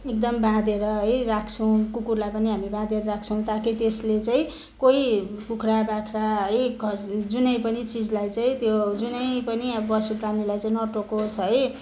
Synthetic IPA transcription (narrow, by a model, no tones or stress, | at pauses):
ek̚d̪ʌmbãd̪eɾʌɦʌjrakʰt͡sʰʌw̃kukurlajpʌniɦamibãd̪eɾʌɾakʰt͡sʰʌw̃t̪akʰit̪eslet͡saĩ | koi | pukʰɾabakʰɾaɦʌjɡʱʌsd͡zunʌjpʌnit͡sid͡zlajt͡saĩt̪jod͡zunʌjpʌniʌbbʌsupranilajt͡saĩnʌʈokot͡sʰʌɦʌj